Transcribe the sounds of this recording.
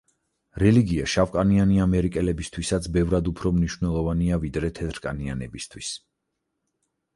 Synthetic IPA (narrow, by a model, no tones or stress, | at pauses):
ɾɛliɡiaʃavkʼanianiamɛɾikʼɛlɛbist̪ʰwisat̪sʰbɛvɾad̪upʰɾɔmniʃwvnɛlˠɔvaniavid̪ɾɛt̪ʰɛt̪ʰɾkʼa̰nia̰nɛ̰bist̪ʰwis